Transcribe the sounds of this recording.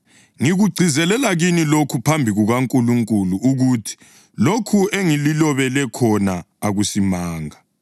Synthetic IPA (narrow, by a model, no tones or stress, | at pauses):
ŋiɣuɡ͡ǀʱizɛlɛlaɣinilokʰupʰambʱiɣuɣaŋkʼuluŋkʼuluuɣuːtʰi̥ | lokʰueŋililɔβɛlɛkʰɔna | aɣusimaːŋa